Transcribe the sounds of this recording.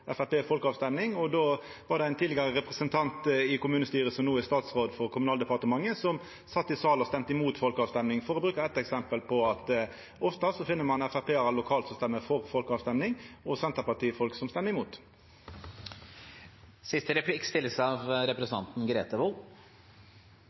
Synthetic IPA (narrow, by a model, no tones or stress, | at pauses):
ʔɛfæɾpeːfɔlkəɑːʋst̪ɛmnɪŋɔd̪oː | ʋɑʁɾd̪ɛæɪnt̪ʰiːd̪ɪɡɑʁəʁɛpʁɛsənt̪ʰɑnt̪ɪkʊmʉːnəst̪yːʁəsɔmnuːæst̪ɑːt̪sʁoːd̪fɔʁkʰʊmʉnɑːld̪ɛpɑʁt̪əmɑŋːəsɔm | sɑt̪ːɪsɑːlɔst̪ɛmt̪əɪmuːt̪fɔlkəɑːʋst̪ɛmnɪŋfɔɾɔbɾʉːkəɛt̪ːɛksɛmpəlpʰɔɑt̪ | ɔft̪ɑsɔfɪnːəmɑnæfæʁpʰeːæʁlʊkʰɑːlt̪sɔmst̪ɛmːəfɔʁfɔlkəɑːʋst̪ɛmnɪŋɔsɛnt̪əʁpɑʈ̪ʰiːəfɔlksɔmst̪ɛməɪmuːt̪ | sɪst̪əɾɛpʰlɪkst̪ɪlːəsəɑʋɾɛpɾsn̩ʰɑ̰nt̪n̩ɡɾḛːt̪əʋu